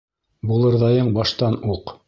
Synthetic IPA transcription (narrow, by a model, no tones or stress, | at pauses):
bulˠɤ̆ɾðɑjɤɴbɑʃt̪ɑnuq